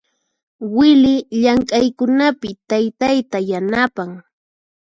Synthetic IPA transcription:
wɪlɪʎaŋkʼajkʊnapɪt̪ajt̪ajt̪ajanapaŋ

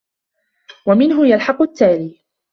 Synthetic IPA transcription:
wamɪnɦʊjalħɑqʊt̪ːaːɾiː

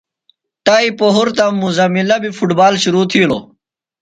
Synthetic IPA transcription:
ʈ̪aːipoɦuɾt̪ɐmːuzɐmilɐbifuʈbaːlɕuɾuːt̪ʰilo̰ː

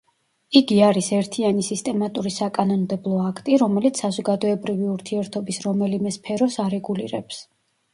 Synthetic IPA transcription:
iɡiaɾisɛɾt̪ʰianisist̪ʼɛmat̪ʼuɾisakʼanɔnd̪ɛblˠɔakʰt̪ʼiɾɔmɛlit̪sazɔɡad̪ɔɛbɾiviuɾt̪ʰiɛɾt̪ʰɔbisɾɔmɛlimɛspʰɛɾɔsaɾɛɡulḭɾɛ̰ps

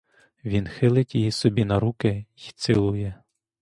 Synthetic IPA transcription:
ʋʲinxɪlˠɪtʲjijisɔbʲinɐɾukɪt̪sɪlˠʊjɛ

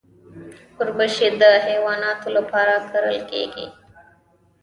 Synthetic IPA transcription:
kʊɾbəʃed̪əɦeːwɑːnɑːt̪oləpaːɾakəɾəlkḛːɡḭ

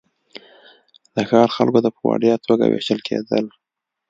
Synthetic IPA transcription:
d̪̥əxɑɾxalkod̪əpwɑ̰ɖjɑt̪ʰoɡawḛʃt̪əlkʰed̪əl

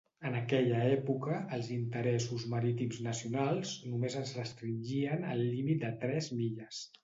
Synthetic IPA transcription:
ənəkɛʎəɛpukəːlˠzint̪əɾɛsuzməɾit̪imznəsiunalˠznumezəzrəst̪ɾinʒiənəlˠːimit̪̚d̪ət̪ɾɛzmiʎəs

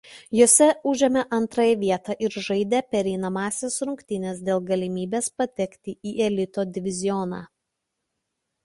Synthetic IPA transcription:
joːsʲɛʊʒʲɛmʲɛʔɐnˑt̪ɾɑːjɛʋʲiɛt̪ɑʔɪɾʒɐɪd̪ʲeːpʲɛɾʲɛɪnɐmɑːsʲeːsɾʊŋʲkʲt̪ʲɪnʲeːsd̪ʲeːlˠɡɐlʲɪmʲiːbʲeːspɐt̪ʲɛkt̪ʲɪiːʔɛlʲɪt̪oːd̪ʲɪʋʲɪzʲɪɔnɑ̰ː

